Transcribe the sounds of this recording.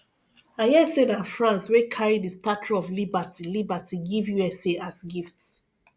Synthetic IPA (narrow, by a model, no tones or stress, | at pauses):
ajɛsenãnfɹãnswekʰaɹidistat͡ʃuɔvlibatʰilibatiɡivjuɛseʔasɡifts